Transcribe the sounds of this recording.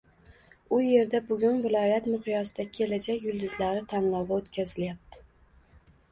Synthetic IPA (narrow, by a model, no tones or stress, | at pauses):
ʊje̞ɾd̪abʊɡʲʊnvɪlˠɒjat̪mʊχɪjɒsɪd̪akʲʰe̞lad͡ʒakʲjʊlˠd̪ʊzlaɾɪt̪ʰanlˠɒvaot̪kʲʰazɪljap̚t̪ʰɪ̥